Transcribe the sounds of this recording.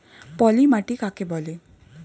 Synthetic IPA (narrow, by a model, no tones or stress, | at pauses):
pɔlimaʈikakebɔli